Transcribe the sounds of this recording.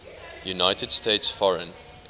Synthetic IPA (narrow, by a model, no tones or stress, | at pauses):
junaɪtədstʰeɪtsfɔɹə̃n